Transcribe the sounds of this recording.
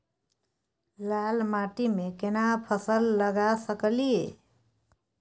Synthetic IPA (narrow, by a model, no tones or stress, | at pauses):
lalmaʈimekenapʰəsəlːəɡasəkəlijḛ